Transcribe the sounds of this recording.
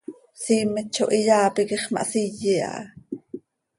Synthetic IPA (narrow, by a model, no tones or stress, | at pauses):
siːmət͡ʃːoʔijaːpikiχmɑ̰ʔsijia̰ʔ